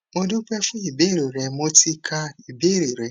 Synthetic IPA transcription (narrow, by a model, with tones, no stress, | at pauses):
mo˦du˦k͡pʷe˦fʊ˦i˨be˦ɾe˨ɾe˨mo˦ti˦kʰa˦i˨be˦ɾi˨ɾe˨